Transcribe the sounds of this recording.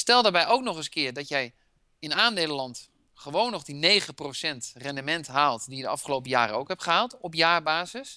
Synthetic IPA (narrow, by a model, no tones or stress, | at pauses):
stɛlˠdaːɹbɛjʔowknɔχəskɪːɹdɔtjɛj | ɪnaːndeːləlɑnt | χəʋownːɔχdineːɣəprosɛntrɛndəmɛntɦaːlˠtdijədəɑfχəlowp̬əja̰ːɾəowkɦɛpχəɦaːlˠtɔpjaːbaːzəs